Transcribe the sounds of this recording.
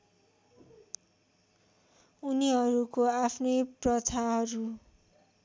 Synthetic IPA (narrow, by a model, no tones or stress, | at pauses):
uniɦʌɾukoapʰnʌjprʌt͡sʰaɦʌɾu